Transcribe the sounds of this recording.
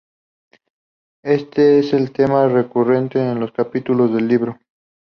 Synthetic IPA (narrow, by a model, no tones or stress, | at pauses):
e̞st̪eese̞lt̪e̞mare̞kure̞nt̪eːnlo̞skapit̪ulo̞zðe̞lːiβɾo̞